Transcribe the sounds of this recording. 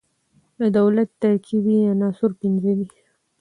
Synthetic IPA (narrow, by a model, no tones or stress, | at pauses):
d̪əd̪awlat̪ːaɾkʰibijɑnɑsʊɾpinzawi